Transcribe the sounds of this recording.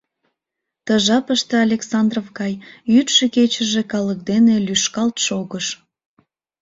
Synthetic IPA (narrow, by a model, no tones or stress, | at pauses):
t̪əʒɑpəʃt̪eɑlʲeksɑnd̪rovɡɑjyt̪ʃeket͡ɕəʒekɑlək̚d̪enelyʃkɑlt̪ʃoɣəʃ